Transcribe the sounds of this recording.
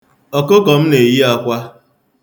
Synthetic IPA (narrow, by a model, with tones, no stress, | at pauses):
ɔ˨ko˦kɔ˨m̩˦ne˨ji˦ɔ˦kʷa˦